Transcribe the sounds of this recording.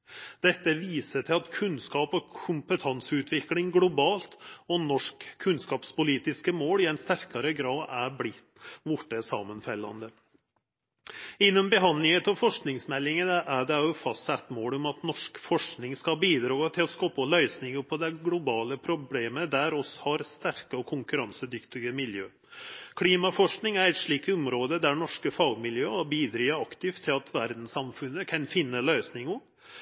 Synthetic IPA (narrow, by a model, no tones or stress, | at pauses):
d̪ɛt̪ːəʋiːsəʈʰɪlɑt̪kʰʉnskɑːpɔkʰʊmpət̪ʰɑnsʉːt̪ʰʋɪklɪŋɡlʊbɑːlt̪ɔnɔʂkʰːʉnskɑːpspʊliːt̪ɪskəmoːlɪɛɪnst̪æɾkɑɾəɡɾɑːd̪æblɪt̪ːʋʊʈːəsɑ̰ːmənfɛlːɑ̰nd̪ə | ɪnːɔmbəɦɑnd̪lɪŋət̪ɑfɔʂknɪŋsmɛlːɪŋənəʔæɖɛɑʊfɑst̪sɛt̪ːmoːlʊmɑt̪nɔʂkfɔʂknɪŋskɑbiːd̪ɾɑːt̪ʰɪlɔskɔpːɔlœʏsnɪŋʊpʰɔd̪ɛɡlʊbɑːləpʰɾʊbleːməd̪æɾɔshɑɾst̪æɾkəɔkʰʊŋkʉɾɑnsəd̪ʏkt̪ɪɡəmɪljøː | kʰliːmɑfɔʂknɪŋæɾɛɪt̪ʂɭiːkt̪ʊmɾoːd̪əd̪æɳɔʂkəfɑːɡmɪljøːɑbiːd̪ɾiːəɑkt̪ɪft̪ʰːɪlɑt̪ʰʋæɾd̪n̩sɑmfʉnːəkʰɑnfɪnːəlœʏsnɪŋʊ